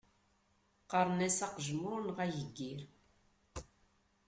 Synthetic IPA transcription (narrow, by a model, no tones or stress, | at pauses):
qɑɾˤnæsɑqʒmʊɾnʁæjəɡːiɾ